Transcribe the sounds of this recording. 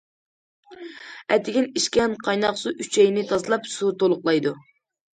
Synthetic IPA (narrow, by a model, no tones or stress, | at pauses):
ɛt̪ʰɪɡʲiniʃkʲɛnqʰɑjnɑqsuʔyt͡ʃʰɛjnɪt̪ʰɑzɨlˠɑpsut̪olˠʊqlˠɑjd̪u